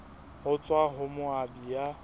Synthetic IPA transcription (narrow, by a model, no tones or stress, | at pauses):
hʊt͡sʼwaɦʊmʊabija